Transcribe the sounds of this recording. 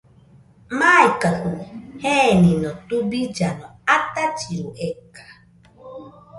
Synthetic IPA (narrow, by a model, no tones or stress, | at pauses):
maikaɦuhenɪnɔtubid͡ʒanɔatat͡ʃiɾuʔekḁ